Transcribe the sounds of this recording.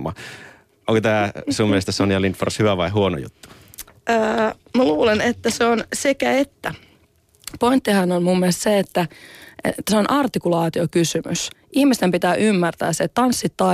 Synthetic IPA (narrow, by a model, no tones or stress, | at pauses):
mɑ̰ | ʔoŋkot̪æːsuːmielest̪æsonjɑlint̪fo̰rshyʋæʋɑiɦuono̰jṵt̪ːu̥ | ʔəː | mæluːlenet̪ːæseonsekæet̪ːæ | point̪ːihænonmumːielst̪seet̪ːæ̰ | t̪ːæseonʔɑrt̪ikulɑːt̪iokysymy̰sʔihmist̪empit̪æːʔymːært̪æ̰ːsset̪ɑnsːit̪ːɑ